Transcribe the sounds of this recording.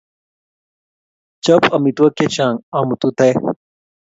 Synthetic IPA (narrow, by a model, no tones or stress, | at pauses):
t͡ɕɐpɐmit̪wɐket͡ɕãːŋaːmut̪ut̪ɐj